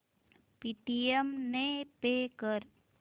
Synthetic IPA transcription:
piʈiemnepeːkəɾ

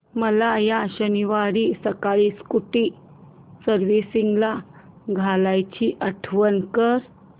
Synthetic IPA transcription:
məlajaɕəniʋaɾiːsəkaɭiːskuʈi | səɾʋisiŋɡla | ɡʱalajt͡ɕiʔəʈʰʋənkəɾ

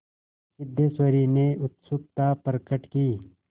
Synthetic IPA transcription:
kɪd̪ːeːsəɾineʊt̪sup̚t̪aːpɐɾkəʈkiː

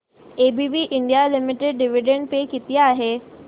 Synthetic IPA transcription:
eːbibiʔɪɳɖijalɪmɪʈeɖ̚ɖɪʋiɖẽɳɖpekɪt̪ijaːɦeː

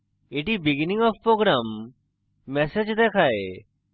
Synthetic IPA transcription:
eʈibɪɡɪnɪ̃ŋɔʋpɾoːɡɾamː | ɛsed͡ʒd̪ekʰaːe

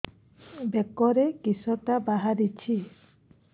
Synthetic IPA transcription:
bekɔɾekisɔt̪abaɦaɾit͡ʃʰi

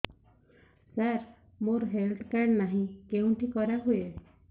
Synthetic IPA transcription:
saɾ | moɾɦeld̪ʰkaɳnaɦĩkeɦũʈikɔɾaɦue

